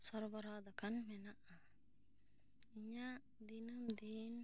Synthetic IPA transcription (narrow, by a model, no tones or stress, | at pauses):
sɔɾbɔɾaːd̪akanmɛnaʔa | iɲa | d̪inumd̪in